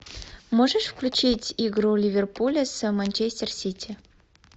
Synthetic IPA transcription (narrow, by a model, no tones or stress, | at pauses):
moʐəʂfklʲʉt͡ɕitʲiɡɾulʲivʲerpulʲəsəmɐnʲt͡ɕesʲtʲersʲitʲi